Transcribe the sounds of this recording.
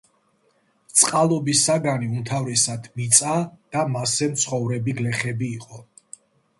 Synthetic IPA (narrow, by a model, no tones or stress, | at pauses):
t̪sʼqʼalˠɔbisaɡaniumt̪ʰavɾɛsad̪ʰmit̪sʼad̪̥amasɛmt̪sʰχɔvɾɛbiɡlɛχɛbiːqʼɔ